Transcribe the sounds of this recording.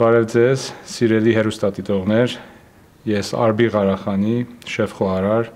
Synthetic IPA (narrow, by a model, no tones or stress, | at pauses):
bɑɾɛvd͡zɛz̥siɾɛliɦɛrust̪ɑt̪it̪ɔʁnɛɾ | jɛsɑ̰ɾbiʁɑɾɑχɑniʃɛfχɔɑɾɑɾ